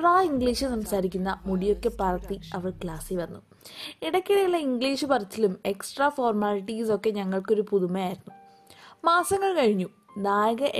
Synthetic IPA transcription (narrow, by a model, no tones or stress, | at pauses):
raːiŋɡɭiːʂɨsɐmsaːɾik̬ʲːunːɐmuɽijo̞kːe̞pɐrɐt̪ːiɐʋɐrkɭaːsiʋɐnːu | iɽɐkʲːiɽɐjuɭːɐiŋɡɭiːʂɨpɐrɐt͡ɕːilume̞ksʈrafo̞ːrmaːliʈːiso̞kːe̞ɲɐŋːɐɭko̞ɾupuðumɐjaːjiɾunːu | maːsɐŋːɐɭkɐɻiɲːu | naːjɐɣɐʔ